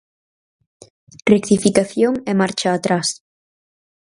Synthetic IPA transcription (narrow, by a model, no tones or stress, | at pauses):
rekt̪ifikaθjoŋɛmaɾt͡ʃaːt̪ɾas